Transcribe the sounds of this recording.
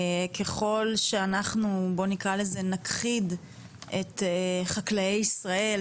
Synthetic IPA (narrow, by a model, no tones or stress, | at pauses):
kʰe̞χo̞lʃeanaχnubo̞nikʁaleze̞nakχid | ʔetχaklajejisʁae̞l